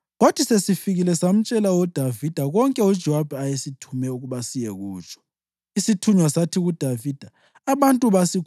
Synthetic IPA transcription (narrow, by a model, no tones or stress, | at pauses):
ɣod̥ʰʱisesifiɣilɛsam̩t͡ʃʼɛlawɔd̥ʱavid̥ʱaɣɔŋkʼɛud̥ʒ̥ʱɔwab̥ʱɛajesitʰumɛuɣuβasijɛɣuːt͡ʃʼɔ̥ | isitʰuɲwasatʰiɣud̥ʱavid̥ʱaː | βantʼuβasikʰ